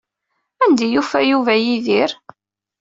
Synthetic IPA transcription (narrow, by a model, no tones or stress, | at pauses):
ænd̪æjufæjuvæjiðiɾ